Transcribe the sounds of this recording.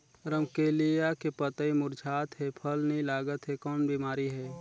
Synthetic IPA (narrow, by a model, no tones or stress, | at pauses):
ɾəmkeːlijakepət̪əimʊɾd͡ʒʰʱaːt̪ɦɛpʰəlnəĩlaːɡət̪ɦɛkɔːnbiːmaːɾiɦɛː